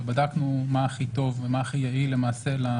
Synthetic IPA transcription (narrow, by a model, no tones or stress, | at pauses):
badaknumaːχit̪o̞vemaːχijaile̞maːse̞la